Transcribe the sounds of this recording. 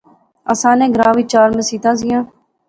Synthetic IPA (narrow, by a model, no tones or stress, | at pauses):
əsãːnẽːɡɾãːʋiːt͡ʃaːɾmẽːsiːt̪ãːs̬ɪjãː